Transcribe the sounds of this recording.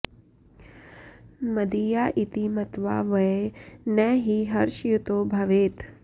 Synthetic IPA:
mɐd̪ijaːʔit̪imɐt̪ʋa̰ːʋɐenɛɦiɦɐɾʃjut̪oːbʱɐʋeːt̪

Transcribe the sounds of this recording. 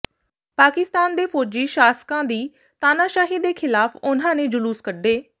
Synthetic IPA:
paːkɪst̪aːnd̪eːpʰɔːd͡ʒiːʃaːskãːd̪iː | t̪aːnaːʃaːɦiːd̪eːkʰɪlaːpʊn̤ãːnẽːd͡ʒʊluːskəɖeː

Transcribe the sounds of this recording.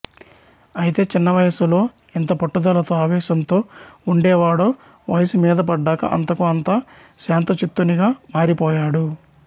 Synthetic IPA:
ɐjit̪e̞ːt͡ʃinːɐʋɐjɐsulo̞ː | int̪ɐpɐʈːud̪ɐlɐt̪oːaːʋɛːʃɐnt̪o̞ːuɳɖɛːʋaːɽoː | ʋɐjɐsumiːd̪ɐpɐɖːaːkɐ̰ʔɐ̰nt̪ɐkuɐnt̪a | ʃaːnt̪ɐt͡ʃit̪ːuniɡaːmaːɾipɔːjaːɽu

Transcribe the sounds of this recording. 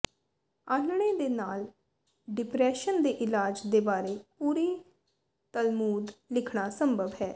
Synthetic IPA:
aːnɳẽːd̪eːnaːl | ɖɪpɾɛːʃənd̪eːʔɪlaːd͡ʒd̪eːbaːɾeːpuːɾiː | t̪əlmuːd̪lɪkʰɽaːsəmbəʋɦɛː

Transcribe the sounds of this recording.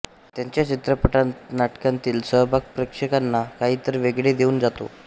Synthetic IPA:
t̪jaɲt͡ɕjat͡ɕit̪ɾəpəʈat̪naʈkant̪iːlsəɦbʱaɡ̚pɾəkʂekanːakaɦiːt̪əɾʋeɡɭed̪euːnd͡zat̪o̰

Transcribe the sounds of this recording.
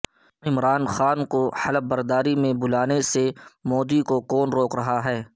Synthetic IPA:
ɪmɾaːnxaːnkohɐləb̚bəɾd̪aːɾimẽbʊlaːnesemɔːd̪ikokɔːnɾoːkɾɐɦaɦɛː

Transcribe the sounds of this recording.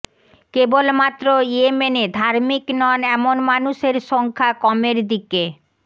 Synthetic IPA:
kebolmat̪ːɾoiemened̪ʱaɾmiknɔnɛmonmanuʃeɾʃɔŋkʰakɔmeɾd̪ike

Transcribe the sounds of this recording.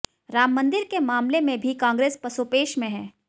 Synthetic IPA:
ɾaːmːɐ̃nd̪ɪɾkemaːmlemẽbʱikãːŋɡɾeːspɐsoːpeːʃmẽɦɛ̃ː

